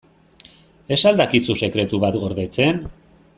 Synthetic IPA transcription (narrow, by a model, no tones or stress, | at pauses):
e̞sald̪akisuse̞kɾe̞t̪uβat̪ɡo̞ɾðe̞t͡se̞n